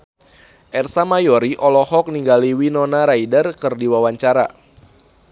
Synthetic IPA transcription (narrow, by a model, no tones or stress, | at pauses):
ʔɛrsamajɔɾiʔɔlɔhɔk̚niŋɡaliwinɔnaɾaidərkɨrdiwawaɲt͡ʃaɾa